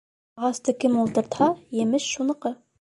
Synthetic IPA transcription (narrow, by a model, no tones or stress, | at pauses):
ɑʁɑst̪ɤkɘmulˠt̪ɤ̆ɾt̪hɑjɘ̆mɘʃʃunɤ̆qɤ